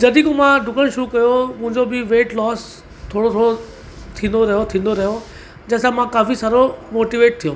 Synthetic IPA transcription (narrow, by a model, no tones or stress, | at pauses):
d͡ʑɐd̪ikomãɖʱʊkəɽ̃ʃʊɾukɐjomʊ̃ɦɪ̃ɲd͡ʑobɪʋeːʈlɔːs | t̪ʰoːɽot̪ʰoːɽo | t̪ʰĩːnd̪oɾɐɦijot̪ʰĩːn̆d̪oɾɐɦjo | d͡ʑɐ̃ɦɪ̃sãmãkaːfisaːɾomoːʈiʋeːʈ̚t̪ʰijõː